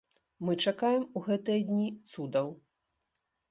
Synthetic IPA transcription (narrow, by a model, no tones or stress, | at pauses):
mɨt͡ʂakajɛmuɣɛt̪ɨjɐd̪ʲnʲit̪sud̪ɐw